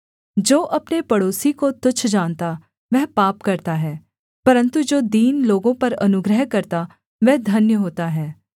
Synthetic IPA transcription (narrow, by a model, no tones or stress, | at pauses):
d͡ʒoːʔɐpnepɐɽoːsikot̪ʊt͡ʃʰd͡ʒãːnt̪a | ʋɛɦpaːpkɐɾt̪aɦɛː | pɐɾə̃nt̪ud͡ʒoːd̪iːnloːɡõpɐɾɐnʊɡɾəɦkɐɾt̪a | ʋɛːd̪ʱɐnjəɦoːt̪aɦɛː